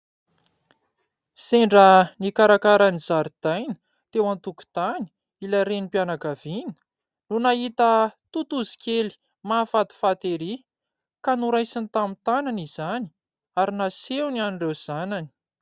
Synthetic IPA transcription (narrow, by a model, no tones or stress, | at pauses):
seɳɖ͡ʐənikaɾakaɾanizaɾid̪̥ajnə̥ | t̪ewant̪uku̥t̪ani̥ | ilaɾenipianakav̥inə̥ | nunaɦit̪ət̪ut̪uzi̥kʲeli̥ | mafat̪u̥fat̪eɾi | kanuɾajsinit̪amit̪ananizani̥ | aɾinasewnianɳɖ͡ʐewz̥anani̥